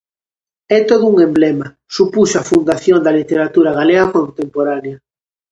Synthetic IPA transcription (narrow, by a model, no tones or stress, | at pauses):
ɛt̪oðuuŋemblɛma | supusafund̪aθjond̪ɐlit̪eɾat̪uɾaɣaleɣakont̪empoɾaneɐ